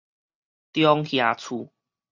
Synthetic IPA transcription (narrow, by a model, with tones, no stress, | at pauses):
t̪jɔ˧ŋhja˨˩t͡sʰu˨˩